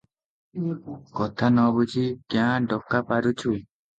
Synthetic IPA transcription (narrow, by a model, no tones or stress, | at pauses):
kɔt̪ʰanɔbut͡ʃʰikjãɖɔkːapaɾut͡ʃʰu